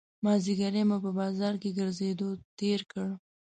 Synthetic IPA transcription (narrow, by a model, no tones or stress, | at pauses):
mɑziɡaɾemopəbɑzɑɾkeɡəɾzed̪ot̪eɾkəɽ